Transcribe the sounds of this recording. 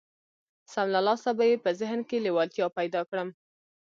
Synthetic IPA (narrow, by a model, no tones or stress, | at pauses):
samlalɑsabajepəzɪɦnkelewɑlt̪jɑpajd̪ɑkɽəm